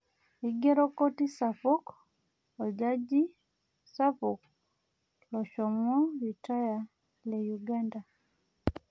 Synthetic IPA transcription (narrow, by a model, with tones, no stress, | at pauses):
i˦ɡɛ˦ɾɔ˦kɔ˦ti˦sa˨fu˦k | ɔ˨d͡ʒa˦d͡ʒi˦ | sa˦fu˨k | lɔ˨ʃɔ˨mɔ˦ju˨ta˦ja˨ | lɛ˨ju˨ɡa˦nda˨